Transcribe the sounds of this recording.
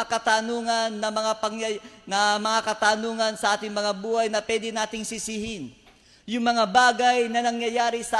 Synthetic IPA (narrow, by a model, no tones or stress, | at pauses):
akɐt̪anuːŋɐnːɐmɐŋapɐŋɐnɐmɐŋakɐt̪anuːŋɐnsɐʔaːt̪ɪŋmɐŋabuːhɐjnɐpwɛːd̪ɛnaːt̪ɪŋsɪsɪhɪn | jʊŋmɐŋabaːɡɐjnɐnɐŋjɐjaːɾɪsɐ